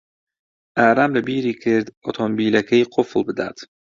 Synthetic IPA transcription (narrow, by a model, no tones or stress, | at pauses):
æɾæmlɛbiːɾiːkʰeɾd̪ɔt̪ʰɔmbiːlækʰejqʰoflˠbɪd̪æ̰d̪̥